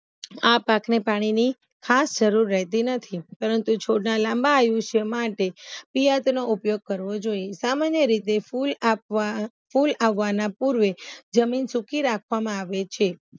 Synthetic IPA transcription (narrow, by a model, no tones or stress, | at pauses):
apaknepaɽ̃ini | kʰasd͡ʒəɾuɾːɛɦt̪inət̪ʰipəɾənt̪ut͡ʃʰoɽnalãmbaːjũʃemaʈepijat̪noupjoɡ̚kəɾʋod͡ʒoijesamanjəɾit̪eful | fulaʋːanapuɾʋed͡ʒəminsukiɾakʰʋamãaʋet͡ʃʰe